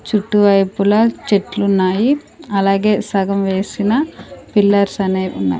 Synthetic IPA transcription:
t͡ʃuʈːuʋɐjpulɐt͡ʃeʈlunːaːji | ɐlaːɡe̞ːsɐɡɐmʋe̞ːsinɐpilːɐɾsɐneːunːa̰ːji

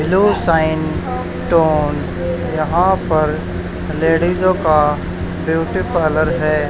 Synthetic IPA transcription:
ɪlusaːɪn | ʈoːn | jɐɦãpɐɾ | leːɽizõka | bjuːʈipələɾɦɛː

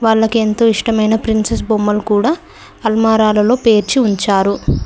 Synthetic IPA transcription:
ʋaːɭːɐkie̞nt̪o̞ːiʂʈɐmɐjnɐpɾinses̬bombɐlkuːɽaː | ɐlmaːɾaːlɐlo̞ːpe̞ːɾt͡ʃiuɲt͡ʃaːɾu

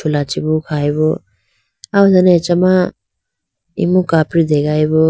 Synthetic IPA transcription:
ulat͡ʃibukʰajbɔ | awzanet͡ʃama | ḭmukapɾid̪eɡajbɔ

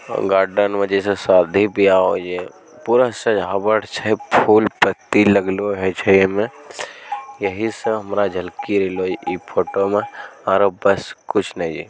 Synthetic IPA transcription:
ɡaːɾɖənʋəd͡ʒesesaːɾd̪ʱibʱiaːod͡ʒe | puːɾəsəd͡ʒabəʈt͡ʃʰəipʰuːlpət̪ːiləɡloɦɛt͡ʃʰəmẽ | jəɦiseɦəmɾad͡ʒʱəlkiɾeloipʰoːʈomẽaːɾobəskʊt͡ʃʰnɐɦd͡ʒḭ

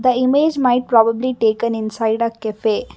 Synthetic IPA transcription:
d̪əimeːd͡ʒmaɪʈ̚pɾɔːbəbliʈeːkə̃nɪ̃nsaɪɖəkɛfeː

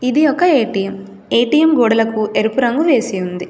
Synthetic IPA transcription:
id̪ijɔkːɐeːʈijem | eːʈijemɡɔːɽɐlɐkuʔeɾupuɾɐŋɡuʋe̞ːsiund̪i

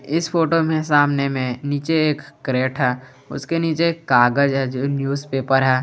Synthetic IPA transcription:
ɪspʰoːʈomẽsaːmnemẽniːt͡ʃeeːkːɾeːʈɦɛː | ʊ̰skeniːt͡ʃeːkːaːɡəd͡ʒɦɛd͡ʒoːnjuːzpeːpəɾɦɛː

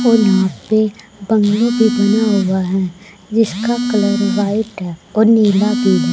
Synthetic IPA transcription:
oːnãːtpe | bɐ̃ŋɡlõbʱibɐnaɦʊaɦɛ | d͡ʒɪskakələɾʋaːɪʈɦɛːɔːɾniːlabʱibʱ

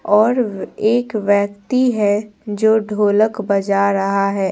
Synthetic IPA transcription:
ɔːɾeːkʋjəkt̪iɦɛd͡ʒoːɖʱoːləkbɐd͡ʒaɾɐɦaɦɛː

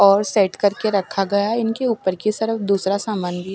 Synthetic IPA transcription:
ɔːɾsɛːʈkɐɾkeɾɐkʰːaɡɐjaɪnkeuːpəɾkisɐɾəfd̪uːsɾasaːmaːnbi

